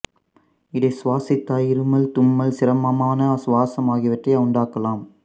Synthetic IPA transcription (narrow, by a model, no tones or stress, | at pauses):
ɪðɐɪsʋaːsɪt̪ːaːjɪɾɯmɐlt̪ʊmːɐlsɪɾɐmɐmaːnɐsʋaːsɐmaːɣɪʋɐʈrɐjʊɳɖaːkɐlaːm